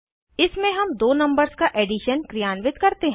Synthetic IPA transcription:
ɪsmẽɦɐmd̪oːnɐ̃mbəɾskaʔeːɖɪʃənkɾijaːnʋɪt̪kɐɾt̪eɦɛ̃

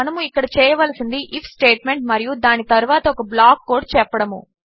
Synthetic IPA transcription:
ɐnɐmuikːɐɽɐt͡ʃɛːjɐʋɐlɐsind̪iʔipʰsʈeːʈme̞ɳʈmɐɾijud̪aːnit̪ɐɾuʋaːt̪ɐɔkɐblaːkːoːɖt͡ʃɛpːɐɽɐmu

